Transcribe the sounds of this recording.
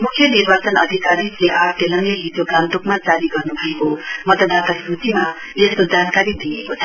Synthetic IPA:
mukʰjʌnirbat͡sʌnʌ̰d̪ʱikaɾid͡zleʔarʈelʌnelid͡zoɡãnt̪ukmat͡saɾiɡʌrnubʱʌekomʌt̪ʌd̪ʱat̪asrutima | est̪od͡zankaɾid̪iekot͡sʰʌ

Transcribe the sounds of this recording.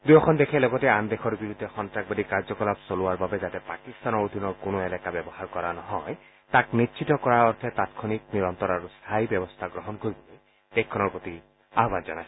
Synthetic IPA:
d̪ujɔkʰɔnd̪ekʰeloɡɔteand̪ekʰɔɾbiɾud̪ʱːexɔntɾak̚bad̪ikaɾd͡ʒɔkɔlapsoluaɾbabed͡ʒat̪epakist̪anɔɾod̪ʱinɔɾkonoelakabjɔbɔɦaɾkɔɾanɔɦɔe | t̪aknitːt͡ʃʰitɔkɔɾaɔɾt̪ʰet̪at̪kʰɔnik̚niɾɔnt̪ɔɾaɾust̪ʰajbjɔbɔst̪ʰaɡɾɔɦɔnkoɾibole | d̪̥ekʰːɔnɔɾpot̪i | aɦɔband͡ʒɔnaj

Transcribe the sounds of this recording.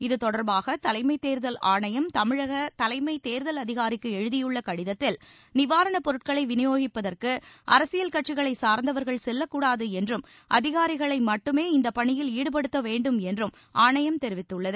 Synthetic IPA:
ɪðɯt̪ɔɽɐɾbaːɣɐt̪ɐlɐɪmɐɪt̪eːɾðɐlaːɳɐjɐmt̪ɐmɪɻɐɣɐt̪ɐlɐɪmɐɪt̪eːɾðɐlɐðɪɣaːɾɪkːɯɛɻɯðɪjɯɭːɐkɐɽɪðɐt̪ːɪl | nɪʋaːɾɐɳɐpɔɾɯʈ̚kɐɭɐɪʋɪnɪjoːɣɪpːɐðɐrkɯʔɐ̰ɾɐsɪjɐlkɐʈ̚t͡ʃɪɣɐɭɐɪsaːɾnd̪ɐʋɐɾɣɐɭsɛlːɐkːuːɽaːðɯɛndrɯm | ʔɐðɪɣaːɾɪɣɐɭɐɪmɐʈːɯmeːɪnd̪ɐpɐɳɪjɪliːɽɯp̬ɐɽɯt̪ːɐʋeːɳɖɯmɛndrɯm | ʔaːɳɐjɐmt̪ɛɾɪʋɪt̪ːɯɭːɐðɯ

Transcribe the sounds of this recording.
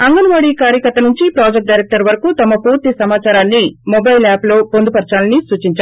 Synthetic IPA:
ɐŋɡɐnuʋaːɽikaːɾjɐkɐɾt̪ːɐnuɲt͡ʃipɾaːd͡ʒek̚ʈ̚ɖɐjɾek̚ʈɐɾʋɐɾɐkut̪ɐmɐpuːɾt̪isɐmaːt͡ʃaːɾaːnːimobɐjlaːplo̞ːpond̪upɐɾt͡ʃaːlɐnisuːt͡ʃiɲt͡ʃa

